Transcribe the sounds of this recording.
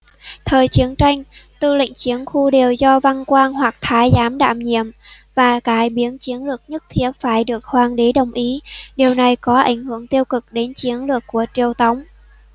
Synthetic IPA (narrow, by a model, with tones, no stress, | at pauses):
t̪ʰəː˨˩jt͡ɕi˨˦əŋt͡ɕa˧jŋ̟t̪ɨ˧lḭ˧˨ŋ̟t͡ɕi˨˦ənxu˧ɗe˨˩əwzɔ˧va˧nkwaː˧nhwa˨˩k̚t̪ʰaː˨˦jzaː˨˦mɗa̰ː˧˩mɲḭ˧˨əmvaː˨˩kaː˨˦jɓi˨˦ənt͡ɕi˨˦ənlɨ˨˩ək̚ɲə˦˥t̚t̪ʰi˧˩ət̚faː˧˩jɗɨ˨˩ək̚hwaː˨˩nɗi˨˦ɗə˨˩wŋ͡mʔi˨˦ɗi˨˩əwna˨˩jkɔ˨˦ʔa̰˧˩jŋ̟hɨ˧˩əŋt̪i˧əwkɨ˨˩k̚ɗe˨˦nt͡ɕi˨˦ənlɨ˨˩əkːu˧˩ət͡ɕi˧˩əwt̪ə˨˦wŋ͡m